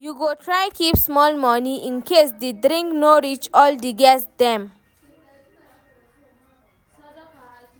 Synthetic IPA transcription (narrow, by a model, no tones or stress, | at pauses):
juɡoːʈʰɾaɪkiːpsmɔːlmɔniʔĩnkeːsd̪edɾĩŋknoɾit͡ʃɔːlɖiɡɛsd̪ɛ̃m